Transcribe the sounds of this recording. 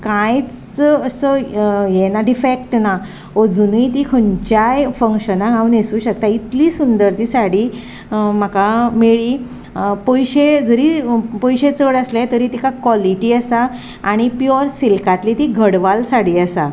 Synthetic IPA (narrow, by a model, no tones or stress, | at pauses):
kãjt͡s | əsəjenaɖifek̚ʈna | od͡zuniit̪ikʰəɲt͡ɕajfəŋkɕənaɡaunesuːɕək̚t̪ait̪liːsund̪əɾt̪ʰiːsaɽiː | m̤əkameɭiː | pojɕed͡zəɾiːpɔjɕet͡səɽəslajt̪əɾiːt̪ikakʋɔliʈiːəsa | aɽ̃ipjoɾsilkat̪lit̪iɡʱəɽʋalsaɽiːəsa